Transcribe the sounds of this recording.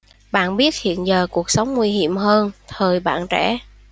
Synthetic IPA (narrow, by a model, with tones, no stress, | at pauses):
ɓa̰ː˧˨nɓi˦˥ət̚hḭ˧˨ənzəː˨˩ku˨˩ək̚sə˨˦wŋ͡mŋwi˧ɦḭ˧˨əmɦəː˧nt̪ʰəː˨˩jɓa̰ː˧˨nt͡ɕɛ̰˧˥